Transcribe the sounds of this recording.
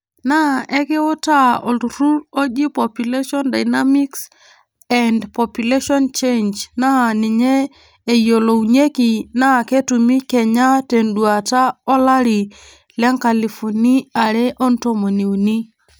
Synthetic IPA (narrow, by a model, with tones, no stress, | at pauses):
na˦ʔɛ˦kɪ˦ʊ˦ta˦ɔ˨u˨ɾu˦ɾo˦d͡ʒi˦pɔ˨pju˨le˦ʃɔ˦nda˨jna˦mi˦ks | ɛndpɔ˨pju˨le˦ʃɔ˦nt͡ʃe˦nd͡ʒna˦˨nɪ˨ɲɛː˦˨ | jo˨lo˨u˨ɲe˦ki˨na˦˨ke˦tu˨mi˦kɛ˨ɲa˦te˨ndu˨a˨ta˦ɔ˦la˦ɾi˨ | lɛ˦ŋka˨li˨fu˨ni˦a˨ɾɛ˦ʔɔ˦nto˦mo˨ni˨u˨ni˦